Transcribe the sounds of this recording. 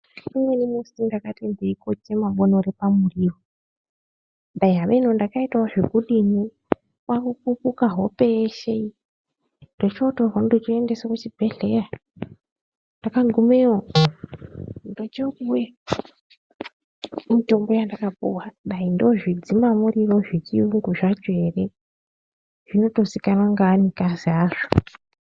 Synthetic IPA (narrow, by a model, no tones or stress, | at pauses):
imwenimosindakatendeikot͡ʃemaɓonoɾepamuriːwo | ɓaiɦaʋenondakaitaoʐekulini | wʔakup̚upukaɦo̞peʃei | ndo̞t͡ʃiotorandot͡ʃiendesokut͡ʃibʱe̞ɮera | ndakaɡʱumeo | ndo̞t͡ʃekuje | mito̞mbo̞jandakapṵwaɗaindoʐid͡zimamuriro̞ʐit͡ʃiuŋɡuʐad͡ʒe̞re | ʐ̥ino̞to̞sikanaŋɡaːnikaziaːʐ̥o̥